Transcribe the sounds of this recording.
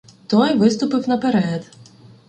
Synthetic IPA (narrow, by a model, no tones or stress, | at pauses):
t̪ɔjʋɪst̪ʊpɪwnɐpeɾɛd̪